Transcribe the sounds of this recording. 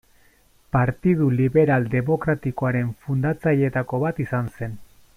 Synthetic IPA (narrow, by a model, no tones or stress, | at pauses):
paɾt̪ið̞uliβe̞ɾald̪e̞mo̞kɾat̪iko̞aɾe̞ɱfund̪at͡saʎe̞t̪ako̞βat̪isanse̞n